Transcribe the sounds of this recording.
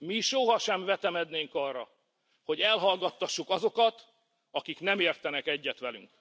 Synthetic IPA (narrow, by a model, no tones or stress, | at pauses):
miʃo̞ɦɒʃɛɱvɛt̪ɛmɛd̪neːŋkɒrːɒ | ho̞ɟɛlɦɒlɡɒt̪ːɒʃːukɒzo̞kɒt̪ | ɒkiknɛmeːrt̪ɛnɛkɛɟːɛt̪ʋɛly̰ŋk